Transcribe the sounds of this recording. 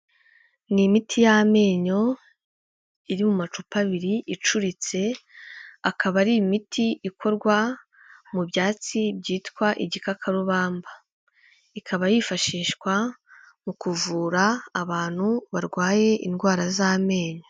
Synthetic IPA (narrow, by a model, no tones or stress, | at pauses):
nimitʰijame̞ːɲo̞ | iɾimumat͡ʃupaβiɾiʔit͡ʃuɾit͡se̞ | akaβaɾimitʰiʔikʰo̞ɾɡwa | mubɟaːt͡sibɟiːtkwaʔiɟikakʰaɾuβaːmba | ikʰaβajifaʃiːʃkwa | mukuvuːɾaːβaːn̥huβaɾɡwaːje̞ʔinɡwaːɾazame̞ːɲo